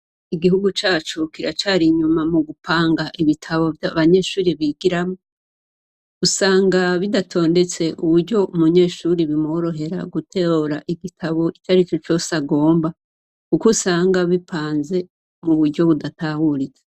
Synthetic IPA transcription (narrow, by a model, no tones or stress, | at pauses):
iɡiɦuɡut͡ʃaːt͡ʃukiɾat͡ʃaɾiɲumamuɡupʰaːŋɡaʔiβitʰaβo̞vjaβaɲe̞ːʃuːɾiβiɡiɾamo | usaːŋɡaβidatʰo̞ːnde̞t͡se̞ʔuβuɾɟo̞umuɲe̞ːʃuːɾiβimoɾo̞ɦe̞ɾa̰ɡutʰeoɾaʔiɡitʰaβo̞it͡ʃaɾit͡ʃot͡ʃo̞ːsaɡo̞ːmba | kukusaːŋɡaβipʰaːnze̞ | muβudɟo̞βudatahuɾid͡ze̥